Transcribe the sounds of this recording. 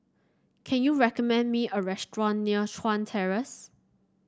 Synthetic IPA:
kʰɛ̃njuɹɛkəmɛ̃nmiəɹɛstɹɔ̃nːiəʃwãntʰɛɹəs

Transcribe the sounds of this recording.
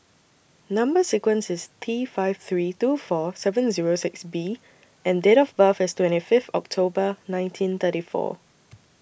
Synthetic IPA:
nãmbəsikwə̃nsɪst̪ʰifaɪv̥θɹituːfɔsɛvə̃nziɹosɪksbi | ɛ̃ndetɔfbəfɪstwɛ̃ntifɪftɔ̰k̚tʰobənãɪ̃ntʰĩnt̪əɾifɔ̰

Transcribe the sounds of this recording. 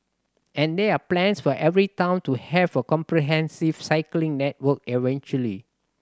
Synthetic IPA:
ʔɛ̃ndɛaplɛ̃nsfɔʔɛvɹitãʊ̃ntuhɛvəkɔ̃mpɹiɦɛ̃nsivsaɪklĩŋnɛt̚wək̚ɛvɛ̃nt͡ʃəli

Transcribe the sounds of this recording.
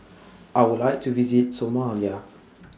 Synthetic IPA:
ʔaɪwədlaɪk̚tʰuvizɪtsomalja

